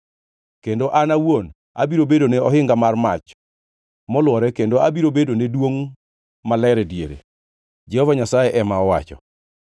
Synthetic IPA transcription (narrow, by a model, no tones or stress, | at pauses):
kendoʔanawon | a̰biɾobedoneɔɦɪŋɡamarma̰t͡ʃ | mɔlwɔɾɛkendoabiɾobedonedwoŋ | malɛɾɛdjeɾḛ | d͡ʒɛhɔvaɲasajɛʔɛmaɔwa̰t͡ʃɔ̰